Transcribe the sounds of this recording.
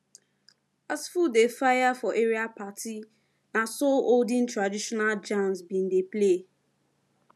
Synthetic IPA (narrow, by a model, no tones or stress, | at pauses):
asfudefajafɔʔeɾiapatʰi | nasooldĩntɹadiʃɔnald͡ʒãnsbin̩deple